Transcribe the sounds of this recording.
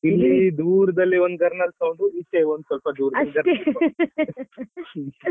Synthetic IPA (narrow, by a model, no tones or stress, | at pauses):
ilːid̪uːɾɐd̪ɐlːiond̪̚ɡɐɾnɐlsɐwɳɖuit̪ːeond̪sɔlpɐd̪uːɾdɐlɡɐɾ